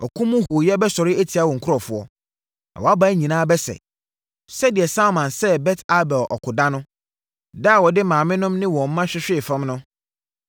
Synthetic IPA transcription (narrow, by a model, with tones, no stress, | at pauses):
ɔ˨kʰũ˦mʊ̃˦ɦo˨jɛ˦bɛ˦sɔ˨ɾɪ˦æ˦tʰi˨a˦wɔ̃˨ŋ̩˨kʰʊ˦ɾɔ˨fʊ˨ɔ˦ | na̰˨wɔ˨a˦ba˦ɲĩ˨nãː˦bɛ˦sɛ̰˨ | sɛ˦dɪ˨ɛ˨sã˦mã˨nsɛ˦bɛ˦tʰa˦bɛ˨lʔɔ̰˨kʰʊ˨da˦nʊ̃˦ | da˦˨wɔ˨dɪ˦mãː˨mɪ̃˦nʊ̃˦mnɪ̃˦wɔ̃˨m̩˦mã˦ɕᶣɪ˦ɕᶣɪ˦˨fã˦mnʊ̃˦